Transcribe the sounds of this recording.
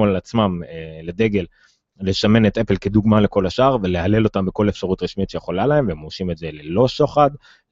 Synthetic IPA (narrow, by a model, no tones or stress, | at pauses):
olat͡smameled̪e̞ɡe̞l | le̞ʃame̞net̪epelke̞d̪uɡmale̞ko̞laʃaʁveleale̞lo̞tambeko̞le̞fʃaʁutʁiʃmit̪ʃejeχo̞lalae̞mvemoʃimetzelelo̞ʃoχad̪